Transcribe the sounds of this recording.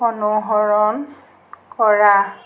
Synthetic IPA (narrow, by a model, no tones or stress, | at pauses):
ɔnuɦɔɹɔn | kɔɹa